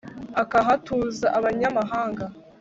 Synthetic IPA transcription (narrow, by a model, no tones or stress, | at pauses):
akaɦatuːzaʔaβaɲamaɦaːŋɡa